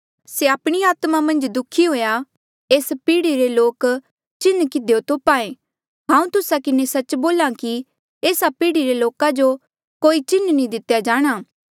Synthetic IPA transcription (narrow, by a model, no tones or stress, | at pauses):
seapɽ̃iaːt̪mamɐ̃nd͡ʒd̪ʊkʰːiɦoːja | eːspiːɽiɾeloːk | t͡ʃɪnkɪd̪ejot̪oːpaːẽː | ɦãːũt̪ʊsakɪnesɐt͡ʃboːlãki | eːsapiːɽiɾeloːkad͡ʒo | koːit͡ʃɪnnĩd̪ɪt̪jad͡ʒaːɽ̃aː